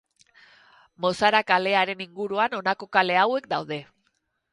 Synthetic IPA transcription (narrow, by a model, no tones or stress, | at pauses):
mo̞saɾakale̞aɾe̞niŋɡuɾuano̞nako̞kale̞awe̞kd̪awðe̞